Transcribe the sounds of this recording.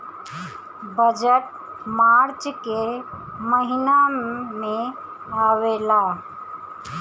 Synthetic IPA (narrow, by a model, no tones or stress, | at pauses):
bəd͡ʒəʈ̚ | maɾt͡ʃke | məɦiname | əwela